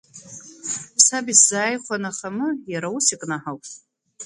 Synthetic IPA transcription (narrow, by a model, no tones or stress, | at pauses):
sabiszaːjχʷanaχamɨjaɾausikʼnaħawtʼ